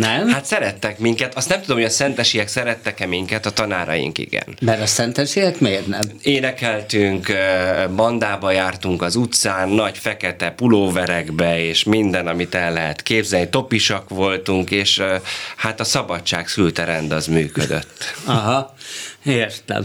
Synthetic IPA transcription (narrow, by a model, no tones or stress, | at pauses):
nɛmhat̪sɛɾɛt̪ːɛkmiŋkɛt̪ɒst̪nɛmt̪ud̪omhojɒsɛnt̪ɛʃijɛksɛɾɛt̪ːɛkɛmiŋkɛt̪ɒt̪ɒnaːɾɒ̰jḭŋkḭɡɛ̰nmɛɾɒsɛnt̪ɛʃiɛkmeːrnɛmeːnɛkɛlt̪yŋkbɒnd̪aːbɒjaːrt̪uŋkɒzut̪saːnːɒɟfɛkɛt̪ɛpuloːvɛɾɛɡbɛeːʃmind̪ɛnɒmit̪ɛnlɛɦɛt̪keːbzɛlnit̪o̞piʃɒkʋo̞lt̪uŋkeːʃhat̪ɒsɒbɒt͡ʃt͡ʃːaːksylt̪ɛɾɛnd̪ɒzmyːkød̪ø̰t̪ːɒɦɒ | eːrt̪lɛ̰m